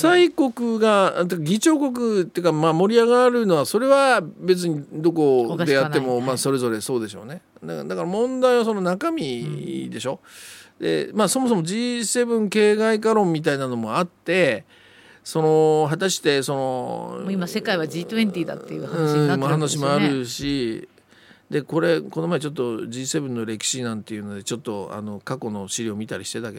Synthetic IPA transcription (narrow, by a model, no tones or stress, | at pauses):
saiko̞kɯ̟ɡat̪ekaɡʲit͡ɕo̞ːko̞k̬ɯ̟t̪ːeɯkamamo̞ɾʲiaɡaɾɯ̟no̞βaso̞ɾe̞βabe̞t͡sɨɲ̟id̪o̞k̬o̞d̪e̞jat̪ːe̞mo̞maːso̞ɾe̞zo̞ɾe̞so̞ːd̪e̞ɕo̞̰ne̞ | d̪ad̪akaɾamõ̞nd̪aiβas̬o̞nonakamʲid̪e̞ɕo̞d̪̥e̞̰maːso̞mo̞s̬omo̞d͡ʑise̞ːbɯ̟̃ŋke̞ːɡaikaɾõ̞mʲːit̪̬ainano̞mo̞at̪ːe̞ | so̞no̞ɦat̪aɕi̥t̪e̞so̞no̞̰moimase̞kaiβad͡ʑiːt̪ɯẽnt̪ʲiːd̪a̰t̪ːejɯhanãimahanaɕimoaɾɯ̟ɕi | d̪e̞ko̞ɾe̞ko̞no̞maet͡ɕo̞t̪ːo̞d͡ʑiːse̞bɯ̟̃nːo̞ɾe̞kʲi̥ɕinãnt̪e̞jɯ̟no̞d̪e̞t͡ɕo̞t̪ːo̞a̰no̞kako̞no̞ɕiɾʲio̞mʲit̪aɾʲiɕi̥t̪e̞t̪ake